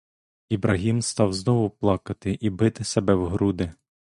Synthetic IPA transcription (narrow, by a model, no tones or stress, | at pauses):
ibɾʔɐɦʲimst̪ɑwznɔʋʊplˠɑkɐt̪ɪʔibɪt̪ɪsebɛwɦɾud̪ɪ